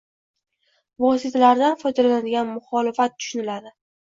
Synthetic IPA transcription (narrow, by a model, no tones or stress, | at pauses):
vɒs̬ɪt̪ʰalaɾd̪anfɒjd̪alalanad̪ɪɡʲanmʊχɒlɪfat̪̚ːʰʊ̥ʃʊnɪlad̪ɪ